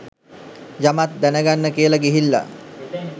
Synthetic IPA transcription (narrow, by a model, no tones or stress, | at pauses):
d͡ʒamat̪̚d̪ænəɡanːəkiəlaɡiɦilːa̰